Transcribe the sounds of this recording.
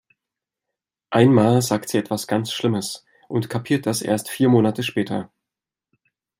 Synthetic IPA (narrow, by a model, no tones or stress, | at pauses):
ʔaɪnmaːlzaːktz̥iːʔɛtv̥asɡ̥ant͡sʃlɪməs | ʔʊntkʰapʰiːɐt̚d̥asʔḛːɐstfiːɐmoːnatʰəʃpɛːtʰɐ̰